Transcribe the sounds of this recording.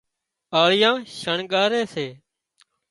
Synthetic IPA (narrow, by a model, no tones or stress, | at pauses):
aːɭɪjãːʃəɳɠaːɾeːseː